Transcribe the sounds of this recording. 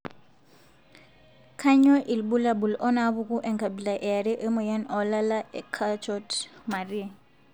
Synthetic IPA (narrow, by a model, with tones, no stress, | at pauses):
kʰa˦ɲɔ˦ʔi˨lbu˦la˨bu˨lɔ˦na˦βu˦ku˦ʔɛ˨ŋka˨bi˨la˨ʔɛ˨a˨ɾi˦ʔə˦mɔ˨ja˦nɔ˨la˦la˦ʔɛ˨kʰa˦t͡ʃɔ˦tma˨ɾi˦˨